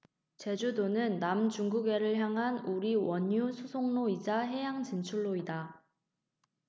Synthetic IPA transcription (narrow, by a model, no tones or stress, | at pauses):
t͡ɕe̞d͡ʑudonɯnːamt͡ɕuŋɡuɡe̞ɾɯɭçjaŋɦanuɾiwʌɲːusʰusʰoŋnoid͡ʑaɦe̞jaŋt͡ɕint͡ɕʰuɭːoida